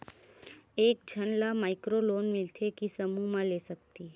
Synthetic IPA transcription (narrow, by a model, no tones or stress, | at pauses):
ek̚d͡ʑʱəɳlamajkɾolonmilt̪ʰekiːsəmumalesək̚t̪iː